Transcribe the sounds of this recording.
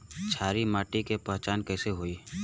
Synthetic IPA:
t͡ʃʰaːɾimaːʈikepəɦt͡ʃaːnkɛːseɦoːi

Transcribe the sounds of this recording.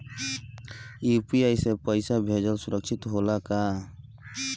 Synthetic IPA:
upiajsepəjsabʱed͡ʒəlsuɾək̚t͡ʃʰit̪ɦolaka

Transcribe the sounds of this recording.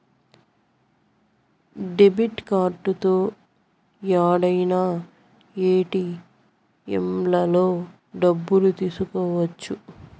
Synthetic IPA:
ɖebiʈkaːɾʈut̪oː | jaːɽɐjnaː | eːʈi | ḛmlɐlo̞ː | ɖɐbːulut̪iːsukɔːʋɐt͡ʃːu

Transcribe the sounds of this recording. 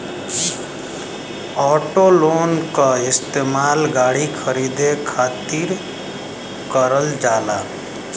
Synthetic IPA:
ɔːʈoloːnkaɪst̪eːmaːlɡaːɽikʰəɾiːd̪ekʰaːt̪iɾ | kəɾəld͡ʒaːlaː

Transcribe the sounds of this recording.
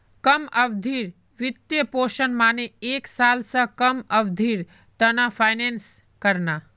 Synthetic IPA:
kɐmɐʋd̪ʱiːɾ | ʋɪt̪jəpoːʃənmaːneeːksaːlsə̃kɐmɐʋd̪ʱiːɾ | t̪ɐnãpʰaːɪneːns | kɐɾnaː

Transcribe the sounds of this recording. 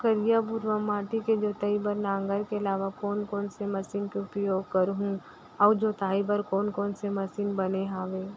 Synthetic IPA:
kəɾijabʊɾʋamaːʈiked͡ʒoːt̪aibəɾnãːŋɡəɾkeɐlaːʋakɔːnkɔːnsemɐsiːnkeʊpjoːɡ̚kɐɾɦũ | ɔːd͡ʒoːt̪aːibəɾkɔːnkɔːnsemɐsiːnbɐneɦaːʋeː

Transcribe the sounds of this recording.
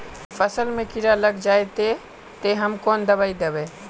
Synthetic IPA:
pʰəsəlmẽkiɾaləɡd͡ʒaːet̪e | t̪eɦəmkoːnd̪əbaid̪ebe

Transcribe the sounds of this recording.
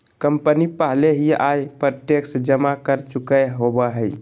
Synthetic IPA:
kəmpənipəɦleɦiajpəteksd͡ʒəmakəɾt͡ʃukəɦobəɦəɪ

